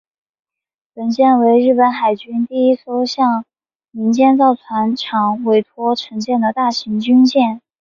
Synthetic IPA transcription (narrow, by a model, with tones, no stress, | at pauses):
pə˨˩nt͡ɕjɛ˥˩nwe˧˥ɪɻɻ̩˥˩pə˧˥nxa˨˩ɪt͡ɕy˥nt̪i˥˩i˥so˥ʊɕjɑ˥˩ŋ | mi˧˥ŋt͡ɕjɛ˥˧nt͡sɑ˥˩ʊt͡sʰwa˧˥nʈ͡ʂʰɑ˨˩ŋwe˧˥˩ɪt̪ʰwɔ˥ʈ͡ʂʰɤ˧˥ŋt͡ɕjɛ˥˩nd̪ə˩t̪a˥˩ɕi˧˥ŋt͡ɕy˥nt͡ɕjɛ˥˩n